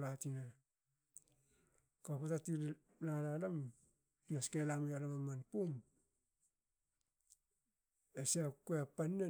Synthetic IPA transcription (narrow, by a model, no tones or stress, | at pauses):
latina | kapatati | lalalam | piaskelamialamamːanpun | esakuapanːe